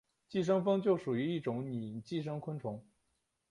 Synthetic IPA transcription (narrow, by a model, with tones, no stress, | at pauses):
t͡ɕi˥˩ʂ̬ɤ˥ŋfɤ˥ŋt͡ɕjo˥˩ʊʂu˨˩y˧˥i˥˩ʈ͡ʂʊ˧˥ŋni˨˩t͡ɕi˥˩ʂ̬ɤ˥ŋkʰwə˥nʈ͡ʂʰʊ˧˥ŋ